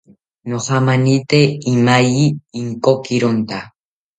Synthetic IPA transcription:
noχɑmanit̪eːmajiːŋkokɪɾont̪a

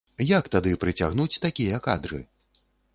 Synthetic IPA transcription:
jakt̪ad̪ɨpɾɨt͡sʲa̰ɣnut͡sʲt̪akʲijɐkad̪ɾɨ̰

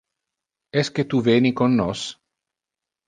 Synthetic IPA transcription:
ɛsket̪uveːnikonːos

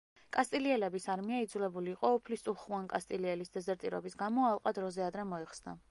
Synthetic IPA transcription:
kʼast̪ʼiliɛlɛbisaɾmiaid̪zulɛbuliːqʼɔɔpʰlist̪ʼuχuankʼast̪ʼiliɛlisd̪ɛzɛɾt̪ʼiɾɔ̰bisɡamɔalˠqʼad̪ɾɔzɛad̪ɾɛmɔɛχsna̰

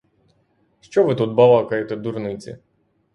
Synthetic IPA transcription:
ʃt͡ʃɔʋɪt̪ut̪̚bɐʋˠɑkɐjet̪ɛd̪urnɪt͡sʲḭ

